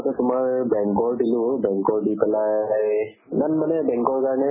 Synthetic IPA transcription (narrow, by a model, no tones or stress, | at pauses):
tɔtʊmaɹbɛŋkɔɹdilubɛŋkɔɹdipɛlaj | nanmanɛbɛ̃ŋkɔɹkaɹnɛ